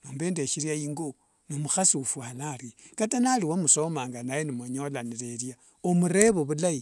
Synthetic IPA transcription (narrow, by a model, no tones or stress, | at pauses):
noːmbe̞ːndeʃiɾjaiːŋɡo | nomuxasufwalaɾikatanaliwamusomaːŋɡanajenimoɲolaniɾeɾja | omuɾe̞βoβulai